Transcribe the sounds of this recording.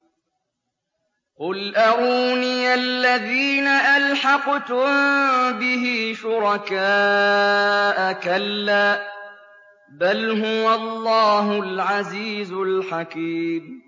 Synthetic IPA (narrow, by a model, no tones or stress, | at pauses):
qʊlʔaʕuːniʔalːaðiːnaʔalħɑqt̪ʊmbɪɦiːʃʊɾˤɑkaː | ʔakalːaː | balɦʊwalˤːɑːɦʊlʕaziːzʊlħakiːm